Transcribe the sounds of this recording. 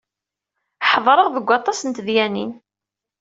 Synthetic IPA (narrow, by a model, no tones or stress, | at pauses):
ħðˤɾˤəʁðəɡʷːɑt̪ˤɑsənt̪ðjænḭn